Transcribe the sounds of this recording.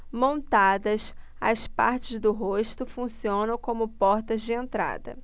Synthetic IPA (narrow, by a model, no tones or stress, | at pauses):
mõnt̪ad̪ɐs | ɐspa̰ɾt͡ʃɪzd̪ʊɦoʃt̪ʊfũsiõnɐ̃w̃kõmʊpɔɾt̪ɐzd͡ʒɪẽnt̪ɾa̰d̪ɐ̰